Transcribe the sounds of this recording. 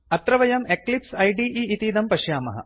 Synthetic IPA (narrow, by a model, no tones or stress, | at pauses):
ɐt̪ɾɐʋɐjɐmeklipsɐjɖiːʔiːit̪iːd̪ɐmpɐʂjaːmɐ̰ɦɐ̰